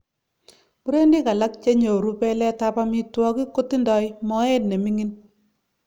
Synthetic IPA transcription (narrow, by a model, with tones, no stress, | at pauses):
bu˦ɾe˦ndi˦ka˨la˦k̚t͡ʃe˦ɲo˨ɾu˦pɛ˦lɛ˦ta˦pa˦mi˦twɔ˦ki˦ko˦ti˦ndɔ˨˦jmɔ˦e˦t̚ne˨mi˦ŋi˦n